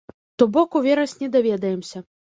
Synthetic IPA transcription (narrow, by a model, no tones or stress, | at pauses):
t̪ɔbɔkuvʲeɾɐsʲnʲɛd̪avʲɛd̪ɐjɛmsʲɐ